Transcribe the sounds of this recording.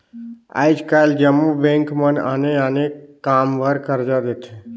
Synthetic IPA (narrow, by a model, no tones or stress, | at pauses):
a̰ːɪd͡ʒkald͡ʒəmubẽːŋkməna̰neaːnekːaːmʋʱəɾkəɾd͡ʒad̪et̪ʰe